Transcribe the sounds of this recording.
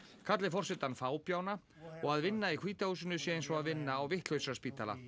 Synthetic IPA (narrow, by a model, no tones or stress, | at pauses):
kʰat̪lɪfɔr̥sɛt̪anfaːwpjaːwna | ɔɣaðvɪnːaikʰviːt̪ahuːs̬ʏnʏsjɛejnsɔaðvɪnːaːwvɪht̪l̥œɥ̪saspiːt̪ala̰